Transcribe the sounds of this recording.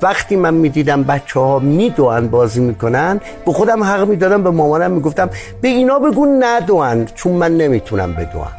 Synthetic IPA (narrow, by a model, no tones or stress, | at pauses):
væχt̪iːmænmiːd̪iːd̪æmbætt͡ʃʰːɛhɒːmiːd̪oænbɒːziːmiːkʰonænd̪ | bexod̪æmɦæɣmiːd̪ɒːd̪æmbemɒːmɒːnæmːiːɡoft̪æm | b̥eiːnɒːbeɡunæd̪oænt͡ʃʰunmænːemiːt̪ʰunæ̰mbḛd̪o̰ʔæ̰n